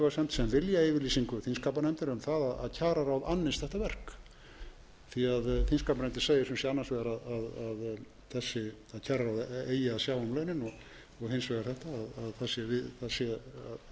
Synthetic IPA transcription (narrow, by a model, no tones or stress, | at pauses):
vasɛmt̪sɛmvɪljaeɪjvɪɾliːsiŋkʏθinskaːp̬anɛmt̪ɪɾʏmθaðaða̰ðcʰaːɾaɾawðanːɪst̪θɛht̪avɛr̥k | θiaðθinskaːpanɛmt̪ɪ̥ɾseːjɪsʏmsjɛanːansvɛɣaɾaðaðað | θɛsːɪ | aðcʰaːɾaɾawðeːjaːsjaːwanlœːjnɪnɔɣ | ɔɣhɪnsvɛɣaɾθɛht̪aːðaðθasjɛvɪθasɛa